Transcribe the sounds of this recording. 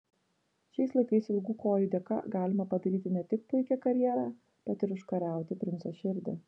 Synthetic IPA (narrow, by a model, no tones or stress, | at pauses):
ʃʲɛɪslˠɐɪkɐɪsɪlʲɡuːkoːjid̪ʲɛkɐ̰ɡɑːlʲɪmɐpɐd̪ɐɾʲiːt̪ʲɪnʲɛt̪ʲɪk̚pʊɪkʲɛkɐɾʲjiːɾɑ | b̥ʲɛt̪ɪɾʊʃkɐɾʲæˑʊt̪ʲɪpʲɾʲɪnsoʃʲɪɾʲd̪ʲɛ̰